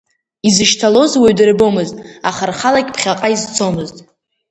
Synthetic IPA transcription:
izɨʃtʰalo̞zweɥdɨrbo̞mɨztʼaχarχalakʲʼpʰχʲaqʼaizt͡sʰo̞mɨztʼ

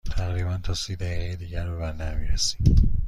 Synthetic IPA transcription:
t̪ʰæɣɾiːbænt̪ʰɒːsiːd̪æʁejed̪iːɟæɾbeβænd̪æɾmḭɾesi̥

